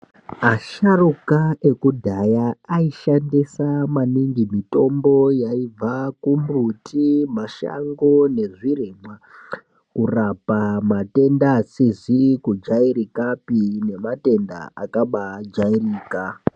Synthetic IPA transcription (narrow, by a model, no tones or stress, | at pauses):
aʃarukae̞kudʱajaaiʃandisamaniŋɡimito̞mbo̞jaib͡vakumutʰimaʃa̰ŋɡo̞ne̞ʐiremwa | kurapamate̞ndasizikud͡ʒaiɾikapine̞mate̞nda̰a̰kaɓad͡ʒairiːka